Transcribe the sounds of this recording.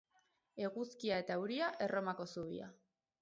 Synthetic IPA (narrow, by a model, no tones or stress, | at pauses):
e̞ɣuskiae̞t̪auɾiaʔe̞ro̞mako̞suβ̞ḭa̰